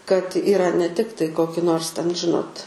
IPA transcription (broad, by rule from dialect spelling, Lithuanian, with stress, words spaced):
kɐt ɪˈrɐ nʲɛ ˈtʲɪktɐɪ ˈkoːkʲɪ ˈnoːrs tʲɛn ˈʒʲɪnoːt